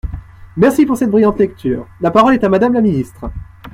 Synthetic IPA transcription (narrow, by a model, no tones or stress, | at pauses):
mɛʁsipuʁsɛt̪̚bʁijɑ̃t̪lɛkt̪ʰyːʁlapaʁɔlɛt̪amad̪amlaminist̪χə